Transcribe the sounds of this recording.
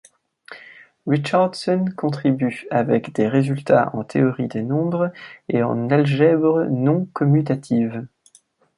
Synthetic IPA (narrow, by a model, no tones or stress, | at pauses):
ʁit͡ʃaʁd̪sɔnkɔ̃t̪χibyavɛkd̪eʁezylt̪aɑ̰̃t̪ʰeɔʁid̪enɔ̃bʁeɑ̰̃nalʒɛbʁnɔ̃kɔmyt̪at̪ʰiv